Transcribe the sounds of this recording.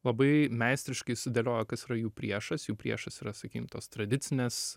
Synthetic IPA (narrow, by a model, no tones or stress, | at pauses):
lˠɐbɐɪmʲæɪsʲt̪ʲɾʲɪʃkɐɪsʲʊd̪ʲelʲoːjokɐsiːɾɐjuːpʲɾʲiɛʃɐsjuːpʲɾʲiɛʃɐsiːɾɐsɐkʲiːkʲɪmt̪oːst̪ɾɐd̪ʲɪt̪sʲɪnʲeːs